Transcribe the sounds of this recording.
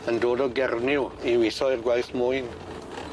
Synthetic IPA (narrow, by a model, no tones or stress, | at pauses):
əndoːdɔɡɛrnɪwiwiθɔɪrɡwajθmʊjn